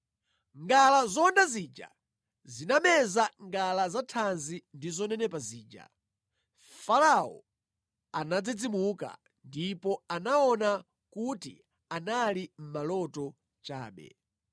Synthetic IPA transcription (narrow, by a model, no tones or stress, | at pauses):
ŋɡalazɔndazid͡ʒa̰ | zinamɛzaŋɡalazatʰanzindizɔnɛnɛpaziːd͡ʒa̰ | falaɔ̰ | anad͡zid͡zimuka̰ | ndipɔanaɔna | kuti | analim̩malɔtɔ | t͡ʃa̰ːɓɛ̰